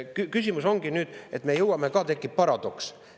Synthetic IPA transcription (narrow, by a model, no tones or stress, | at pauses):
kykys̬ʲimuso̞ŋɡ̥inyːd̪̥e̞t̪me̞jɤwɑme̞kɑːt̪e̞kːˑip̚pːɑɾɑd̪̥oks